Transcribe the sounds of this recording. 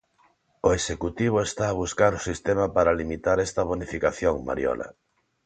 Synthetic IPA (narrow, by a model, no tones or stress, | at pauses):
oesekut̪iβ̞oest̪aːβ̞uskaɾʊsist̪emɐpaɾalimit̪aɾɛst̪ɐβ̞onifikaθjoŋma̰ɾjɔ̰lɐ̰